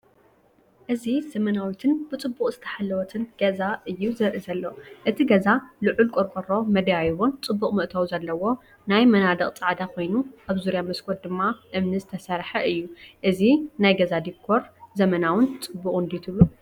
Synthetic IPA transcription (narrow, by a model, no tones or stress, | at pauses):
ʔɨzizɐmɐnawit̪ʰɨnb̥ɨt͡sʼɨbːuχʼzɨt̪ʰɐ̥ħalːɐwɔt̪ʰɨnɡ̥ɐzaʔɨjːuzɐɾʔizɐlːoʔɨt̪ʰiɡɐzalɨʕʊlkʼoɾkʼoɾo̞mɐd̪ɐjajβont͡sʼɨbːuχʼmɨʔt̪ʰɐwzɐlːɐwo̞ | najmɐnad̪ɐχʼt͡sʼaʕd̪akʰo̞jnuʔaβzuɾjamɐskʰoɾd̪ɨmːaʔɨmnɨzɨt̪ʰɐsɐɾħɐʔɨjːuʔɨzinajɡɐzad̪ikʰːo̞ɾzɐmɐnawɨnt͡sʼɨbːuχʼɨnd̪it̪ʰɨlu